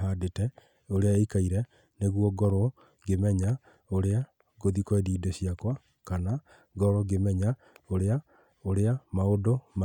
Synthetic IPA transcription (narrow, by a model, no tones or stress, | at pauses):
ɦaːdetɛ | oɾeaeikaiɾɛ | neɣwɔɡɔɾɔ | ɡemɛɲa | oɾea | ɡoðikɔediːdeɕiakwa | kana | ɡɔɾɔɡemɛɲa | oɾea | oɾeamaodoma